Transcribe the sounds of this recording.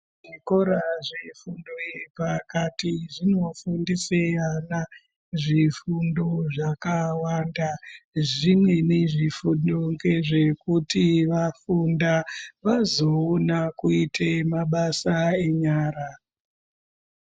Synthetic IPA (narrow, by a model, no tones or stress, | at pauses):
ʐikoɾaʐefundoepakatiʐino̞fundiseana | ʐifundoʐakawandaʐimwe̞ne̞ʐifundoŋɡe̞ʐe̞kutiʋafundaʋazo̞onakuitʰemaɓasae̞ɲaːɾa